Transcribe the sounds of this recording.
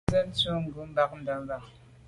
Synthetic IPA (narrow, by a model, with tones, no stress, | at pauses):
ə˦n̩˦t͡su˦ŋ̩˨ɡu˨˦m̩˦ba˨k̚n̩˦da˨˦m˦ba˨k̚